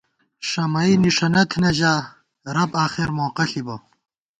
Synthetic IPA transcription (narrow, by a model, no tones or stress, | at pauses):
ʂɐmɐiniʂɐnɐt̪ʰnɐʑaː | ɾɐpaːχeɾmoːqɐɬibo